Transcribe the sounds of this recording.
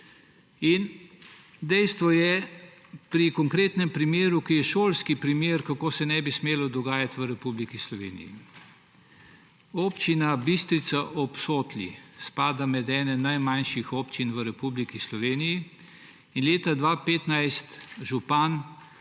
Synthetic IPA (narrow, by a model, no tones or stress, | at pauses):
in | d̪ɛjst̪ʋɔjɛ | pɾikɔŋkɾeːt̪nɛmpɾimjeːɾukijɛʃoːlskipɾimeːɾkakoːsɛnɛbismeːlɔd̪ɔɡaːjat̪ʋəɾɛpublikislɔʋḛːnḭjḭ | oːpt͡ʃinabist̪ɾit̪saʔɔpsoːt̪lʲḭspaːd̪amɛd̪ɛːnɛnajmanʃixoːpt͡ʃinʋəɾɛpublikislɔʋeːniji | inleːt̪ad̪ʋapeːt̪najst̪ʒupan